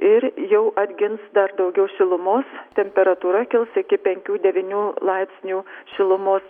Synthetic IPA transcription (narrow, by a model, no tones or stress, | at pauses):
ɪɾjɛʊʔɐd̪ʲɡʲɪnsd̪ɐɾd̪ɒʊɡʲɛʊʃʲɪlˠʊmoːst̪ʲɛmʲpʲɛɾɐt̪uːɾɐkʲɪlˠsɪkʲɪpʲɛŋʲkʲuːd̪ʲɛʋʲiːnʲuːlˠɐɪpʲsʲnʲuːʃʲɪlˠʊmoːs